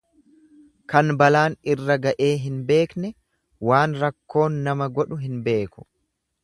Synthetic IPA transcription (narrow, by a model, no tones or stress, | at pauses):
kɐnbɐlaːnɪrːɐɡɐʔe̞ːɦɪnbe̞ːknɛ | waːnɾɐkːo̞ːnːɐmɐɡɔᶑʊɦɪnbe̞ːkʊ̥